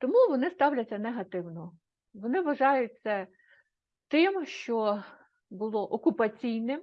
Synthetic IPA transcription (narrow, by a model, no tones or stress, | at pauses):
t̪ɔmuʋɔnɪst̪ɑwlʲɐt͡sʲːɐneɦɐt̪ɪwnɔ | ʋɔnɪʋɐʒɑjʊt͡sʲt͡sʲːɐ | t̪ɪmʃt͡ʃɔ | bʊlˠɔʔɔkʊpɐt͡sʲijnɪm